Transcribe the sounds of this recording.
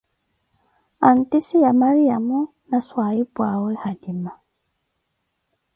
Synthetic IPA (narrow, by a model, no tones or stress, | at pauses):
an̩tisijamaɾiamu | naswaibwawɛhadima